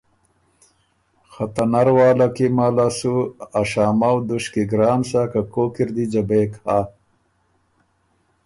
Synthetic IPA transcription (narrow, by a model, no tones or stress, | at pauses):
xat̪anaɾwaːlakimaːlasuaʃaːmawd̪uʃkiɡɾaːmsakakoːkiɾd̪id͡ʒabeːkha